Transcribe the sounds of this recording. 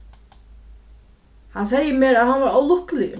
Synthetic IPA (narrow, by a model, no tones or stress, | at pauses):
hans̬eːjɪmjɛɾaðhanvaɾaːwlʊhklɪɣ